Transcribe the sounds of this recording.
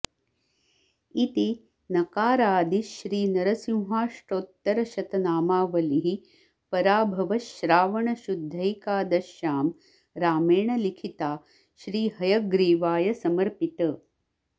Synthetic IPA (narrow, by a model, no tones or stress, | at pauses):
it̪i | nɐkaːɾaːd̪iʃɾiːnɐɾɐsĩw̃ɦaːʂʈoːt̪ːɐɾɐʃɐt̪ɐnaːmaːʋɐliɦi | pɐɾaːbʱɐʋɐʃɾaːʋɐɳɐʃud̪ʱːɐjkaːd̪ɐʃjaːm | ɾaːmeːɳɐlikʰit̪aː | ʃɾiːɦɐjɐɡɾiːʋaːjɐsɐmɐɾpit̪ɐ